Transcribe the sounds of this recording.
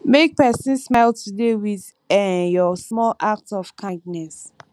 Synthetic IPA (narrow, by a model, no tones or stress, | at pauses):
mek̚pɛsĩnsmaɪltʰudewið | ɛ̃njɔsmɔlʔak̚tɔfkʰãɡnɛs